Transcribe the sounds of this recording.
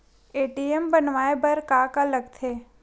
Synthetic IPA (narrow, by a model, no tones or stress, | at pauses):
eːʈiembənʋaːebəɾkakaləɡt̪ʰe